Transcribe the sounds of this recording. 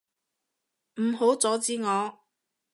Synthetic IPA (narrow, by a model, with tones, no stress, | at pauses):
m̩˨˩ɦo˨˥wt͡sɔː˨˥t͡siː˧˥ŋɔː˨˧